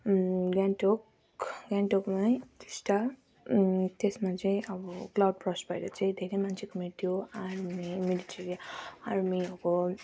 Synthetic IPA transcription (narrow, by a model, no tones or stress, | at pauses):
ɡanʈok | ɡaɳʈokmajt̪i̥sʈa | t̪esmat͡saĩʔʌbʌklawɖ̚pɾɔspajɾet͡sãĩd̪ʱeɾemansʰikomit̪ʰioaɾmmimiliʈeɾijaaɾmioko